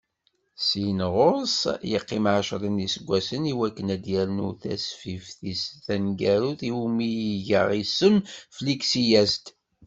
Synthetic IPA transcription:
sinʁosjəqːɪmʕaʃɾˤənisəɡʷːæsəniwækːənæd̪jæɾnuθæ̰sfifθisθænɡæɾuθimiʝə̰ʁisəmfliksijæst̪

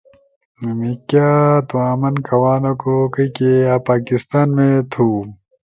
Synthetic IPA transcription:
mikjaːt̪uaːmɐnkʰɐwaːnokokɐikeaːpaːkist̪aːnmẽt̪ʰuː

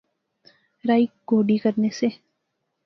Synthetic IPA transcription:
ɾaːik̚ɡoːɖikəɾnese

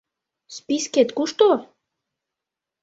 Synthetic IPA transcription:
spisket̪kuʃt̪o

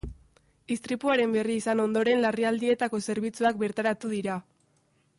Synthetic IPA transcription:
ist̪ɾipuaɾe̞mbe̞riːsano̞nd̪o̞ɾe̞nlariald̪ie̞t̪ako̞se̞ɾβ̞it͡suak̚be̞ɾt̪aɾat̪uðiɾa

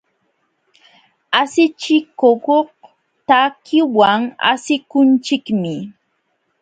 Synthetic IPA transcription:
asɪt͡ʃɪkokoh | t̪akʰɪwaŋa̰sɪkʊnt͡ʃɪkmɪ

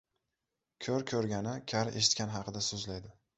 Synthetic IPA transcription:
kʲʰɵɾkʲʰɵɾɡʲanɪkʲʰaɾe̞̰ʃɪt̪kʲanɦhɑqʰɨd̪asɵzlajd̪ɪ

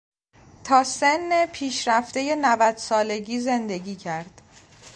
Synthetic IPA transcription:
t̪ʰɒːsenːepʰiːʃɾæft̪e̞je̞nævæd̪̥sɒːle̞ɟiːze̞nd̪e̞ɟiːcʰæɾd̪̥

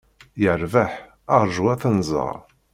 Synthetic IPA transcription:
jəɾvaħ | əɾˤʒuæθənzˤə̰ʁˤ

